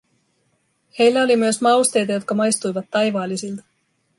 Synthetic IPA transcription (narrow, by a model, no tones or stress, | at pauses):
he̞jlːæo̞limyøsmɑuwst̪e̞jt̪ɑjo̞t̪kɑmɑjst̪ujʋɑt̪ːɑjʋɑːlːisilt̪ɑ̥